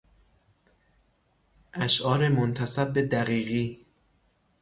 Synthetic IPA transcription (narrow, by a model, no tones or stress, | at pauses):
ʔæʃʔɒːɾemont̪ʰæsæb̚ːed̪æɣiːɣiː